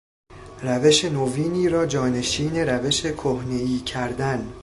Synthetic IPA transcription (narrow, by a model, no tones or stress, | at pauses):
ræveʃe̞noviːniːɾɒːd͡ʒɒːne̞ʃiːne̞ɾæve̞ʃe̞kʰohne̞iːcʰæɾd̪æn